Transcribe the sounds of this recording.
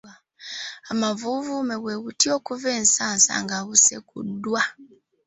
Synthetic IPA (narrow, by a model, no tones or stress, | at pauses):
amavuvumeweɣutioːkuveːnsaːnsa̰ŋɡaɣusḛkṵdːwa